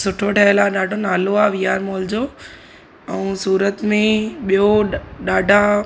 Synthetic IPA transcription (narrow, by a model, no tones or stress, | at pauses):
sʊʈʰoʈʰəɪlaɗaːɖʱonaːloaʋijaːɾmoːld͡ʑoː | ɛũsuːɾət̪mẽɓijoɗaːɖʱa